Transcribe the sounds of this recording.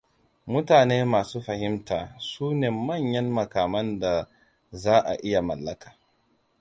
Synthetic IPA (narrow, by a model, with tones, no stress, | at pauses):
mʊ˦taː˨neː˦maː˨suː˦ɸɐ˨hɪ˦mtaː˨suː˦neː˨mɐ˦˨ɲjɐ˦mːɐ˨kaː˨mɐ˦nda˨ | zaː˦ʔa̰˨ʔɪ˦ja˨mɐ̰˨lːɐ˦kʰḁː˨